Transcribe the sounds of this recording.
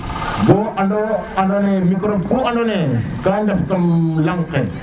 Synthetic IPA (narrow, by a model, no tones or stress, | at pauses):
boʔandoanonevikɾobkuanonekandafkamjaŋke